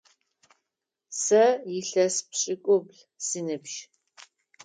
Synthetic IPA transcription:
sɐjɪɬɐspɕʼɪkʷʼʊbɮ | sinɨpʃ

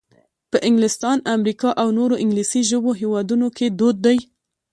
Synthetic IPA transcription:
pəʔɪŋɡlɪst̪ɑnamɾikɑʔawnoɾoʔɪŋɡlisiʒəboɦewɑd̪unokʰed̪od̪̚ːaj

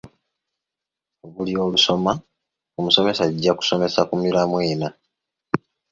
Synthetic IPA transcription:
oβulio̞ːluso̞ma | omuso̞me̞saɟːaku̥so̞me̞sakumiɾamwe̞ːna

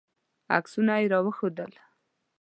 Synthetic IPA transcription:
a̰ksunajeɾɑwəxod̪əl

